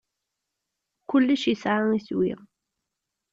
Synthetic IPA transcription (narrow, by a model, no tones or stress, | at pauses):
kʊlːəʃisʕaŋiswḭ